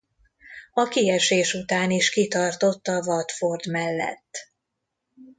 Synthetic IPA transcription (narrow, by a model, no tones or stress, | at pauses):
ɒkiɛʃeːʃut̪aːniʃkit̪ɒrt̪o̞t̪ːɒvɒt̪ford̪mɛlːɛ̰t̪ː